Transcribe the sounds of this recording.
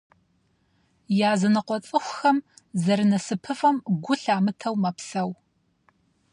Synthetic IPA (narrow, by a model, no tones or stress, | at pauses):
jaːzɨnɨqʷɔt͡sʼɨxʷxɐmzɐɾɨnɐsɨpʰɨfɐmɡʷʊɬaːmɨtʰɐwmɐpsɐw